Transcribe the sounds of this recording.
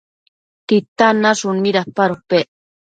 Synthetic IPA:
t̪it̪anaʃʊniɾahpaɾopeʔ

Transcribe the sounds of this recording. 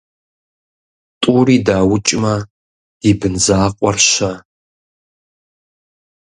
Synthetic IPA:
tʼuːriːdaːwʊt͡ʃʼmɐ | d̥iːbɨnzaːqʷʼɔrʃɐ

